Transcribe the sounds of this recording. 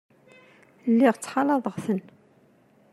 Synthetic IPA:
lːiʁt͡sːħɑlɑðˤəʁθən

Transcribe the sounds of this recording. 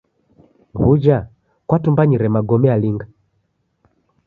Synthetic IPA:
βud͡ʒa | kwatumbaɲiɾɛmaɡɔmɛaliŋɡa

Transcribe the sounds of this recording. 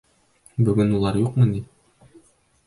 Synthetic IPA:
bɵ̆ɡɘnulˠɑɾjuqmɤni

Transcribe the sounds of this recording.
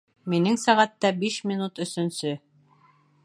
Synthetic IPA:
minɘŋsæʁæt̪ːæbiʃmʲinut̪ɵ̆sɵ̆nsɵ

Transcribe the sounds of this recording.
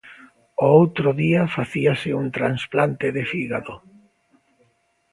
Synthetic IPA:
oowt̪ɾʊðiafaθiasɪuŋt̪ɾansplant̪ɪðefiɣaðo

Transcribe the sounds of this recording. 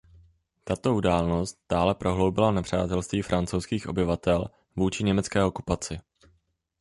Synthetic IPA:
t̪at̪o̞udaːlno̞st̪̚d̥aːlɛpɾo̞ɦlo̞wbɪlanɛpr̝̥aːt̪ɛlst̪viːfɾʔant͡sowskiːxo̞̰bɪvat̪ɛl | vuːt͡ʃɪɲɛmɛt͡skɛːo̞kupat͡sɪ

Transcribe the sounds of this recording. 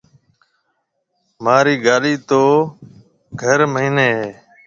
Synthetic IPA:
maːɾiːɡaːliːt̪oː | ɡʱəɾməɦiːneːɦeː

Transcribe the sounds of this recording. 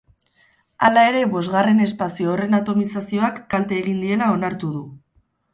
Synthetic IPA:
a̰lae̞ɾe̞βo̞zɣare̞ne̞spasioːre̞nat̪o̞misasio̞akːalt̪e̞ːɣ̞ind̪ie̞lao̞naɾt̪uðu

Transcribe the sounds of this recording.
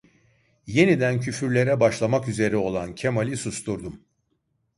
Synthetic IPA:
je̞nid̪æncʰyfyɾlʲe̞ɾɛbaʃlˠamakyze̞ɾio̞lˠancʰemalʲisust̪uɾd̪um

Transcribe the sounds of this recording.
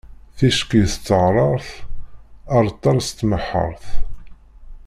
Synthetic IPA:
θiʃkiθt͡sːəʁɾˤɑɾˤθ | ɑɾˤt̪ˤːɑɾˤst̪ːməħːə̰ɾˤθ

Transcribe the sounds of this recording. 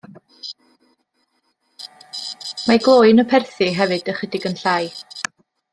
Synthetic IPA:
maɡlˠoːɨnəpʰɛrθɨɦɛvɨdəχədɪɡənɬaːj

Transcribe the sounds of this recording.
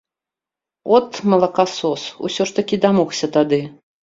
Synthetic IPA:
ɔt̪mɐlˠɐkasɔsṵsʲɔʂt̪ɐkʲid̪amɔxsʲɐt̪ad̪ɨ

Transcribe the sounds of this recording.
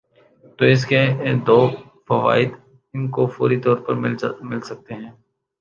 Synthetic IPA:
t̪oːɪs̬ked̪oː | fɐʋa̰ːɪd̪ | ɪnkofoːɾit̪ɔːɾpɐɾmɪlmɪlsɐk̚t̪eɦɛ̃ː

